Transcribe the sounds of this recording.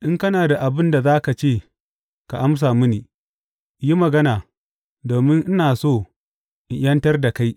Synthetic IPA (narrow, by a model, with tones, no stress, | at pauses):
ʔɪ˦ŋkɐ˦naː˨da˨ʔa˨bɪ˦nda˨zaː˦ka˨t͡ʃeː˦˨ | ka˨ʔa˦ms̬aː˨mʊ˦niː˨ | ji˦mɐ˨ɡɐ˦naː˨ | doː˨mɪ˦ŋʔɪ˦naː˨soː˦˨ | ʔɪ˨jɐ˦ntɐ˦rda˨ka˦j